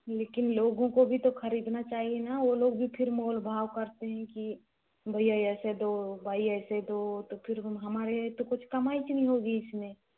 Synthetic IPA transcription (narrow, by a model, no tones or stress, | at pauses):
leːkɪnloːɡõkobʱit̪oxɐɾiːd̪nat͡ʃaːɦienaʋoloːɡ̚bʱipʰɪɾmoːlbʱaːʋkɐɾt̪eɦɛ̃ki | bʱɐiaɛːsed̪obʱaːiɛːsed̪ot̪opʰɪɾɦɐmaːɾet̪okʊt͡ʃʰkɐmaːit͡ʃnɐɦĩɦoːɡiɪsmẽː